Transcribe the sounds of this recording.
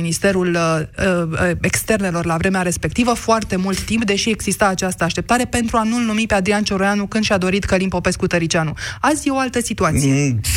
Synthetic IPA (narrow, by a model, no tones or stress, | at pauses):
inist̪e̞ɾul | e̞kst̪e̞rne̞lo̞rlavɾe̞meaɾe̞spe̞k̚t̪ivəfoart̪e̞mult̪ːimp̚d̪e̞ʃie̞ɡzist̪aːt͡ʃast̪əaʃt̪e̞p̚t̪aɾe̞pe̞nt̪ɾuanulnumipe̞ad̪ɾiant͡ʃo̞ɾojanukɨnd̪ʃʲad̪o̞ɾit̪kəlinpo̞pe̞skut̪əɾit͡ʃanuazʲo̞alt̪əsit̪uat̪siee